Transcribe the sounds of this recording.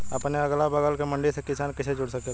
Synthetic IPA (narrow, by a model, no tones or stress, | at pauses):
ɐpneɐɡlabɐɡəlkemɐ̃ɳɖisekɪsaːnkɪt͡ʃʰed͡ʒʊɽsəke